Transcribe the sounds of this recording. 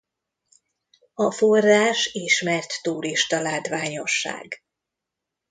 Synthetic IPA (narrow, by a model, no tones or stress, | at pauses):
ɒforːaːʃiʃmɛrt̪ːuːɾiʃt̪ɒlaːt̪ʋaːɲo̞ʃːa̰ːɡ